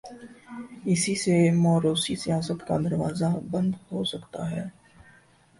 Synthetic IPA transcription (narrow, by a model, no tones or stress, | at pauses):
ɪsisemɔːɾoːsisijaːsət̪ka̰d̪ɐɾʋaːzabɐ̃nd̪ɦosɐkt̪a̰ɦɛː